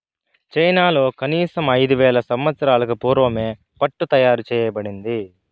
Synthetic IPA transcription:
t͡ʃɐjnaːlo̞ːkɐniːsɐmɐjd̪uʋɛːlɐsɐmʋɐt̪sɐɾaːlɐkupuːɾʋɐme̞ː | pɐʈːut̪ɐjaːɾut͡ʃɛːjɐbɐɽind̪i

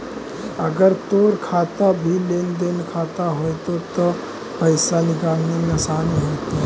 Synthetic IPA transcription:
ɐɡəɾt̪oːɾkʰaːt̪abʱileːnd̪eːnkʰaːt̪aɦojt̪ot̪o | pəɪsanɪɡaːɡnemẽsaːniɦoːt̪iɦ

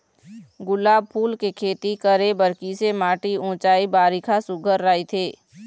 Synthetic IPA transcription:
ɡʊlaːb̚pʰuːlkekʰeːt̪ikəɾebəɾkisemaːʈiʊ̃ːt͡ʃaːibaːɾikʰasʊɡʱəɾːaːit̪ʰeː

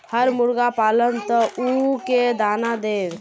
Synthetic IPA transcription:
həɾmuɾɡapalənt̪ɔʔuked̪anad̪eb

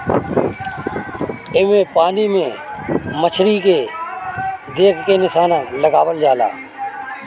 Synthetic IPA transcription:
ɪmẽːpaːniːmẽːmət͡ʃʰɾiːkeː | d̪eːkʰkeːnɪsaːnãːləɡaːʋəld͡ʒaːla̰ː

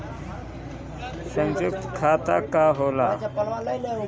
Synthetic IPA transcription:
sə̃nd͡ʑuk̚t̪kʰat̪a̰kaɦola̰

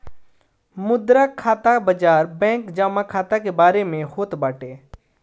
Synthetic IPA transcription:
mʊd̪ɾakʰaːt̪abəd͡ʒaːɾbɛ̃ːŋkd͡ʒaːmakʰaːt̪akebaːɾemẽhoːt̪baːʈeː

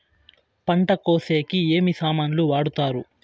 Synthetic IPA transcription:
pɐɳʈɐkoːseːkieːmisaːmaːnuluʋaːɽut̪aːɾu

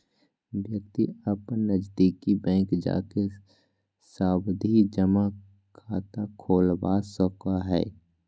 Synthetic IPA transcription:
wjək̚t̪iəpnəd͡ʒd̪iːkibɛ̃ːŋkd͡ʒa̰ːke | saːbd̪ʱid͡ʒəma | kʰaːt̪akʰoːlbaːsəkaɦɛ̰ː

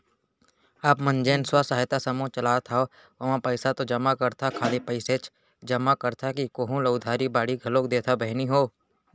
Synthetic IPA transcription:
aːpmə̃nd͡ʒeːnswasaːɦɪt̪asɐmõt͡ʃɐlaːt̪ʰao | ʋɐʋãpəɪsat̪od͡ʒɐmakəɾt̪ʰakʰaːlipəɪset͡ʃ | d͡ʒɐmakəɾt̪ʰakikoːɦũləʊd̪ʱaːɾibaːɽiɡʱɐloːk̚d̪eːt̪ʰabɛɦniɦoː

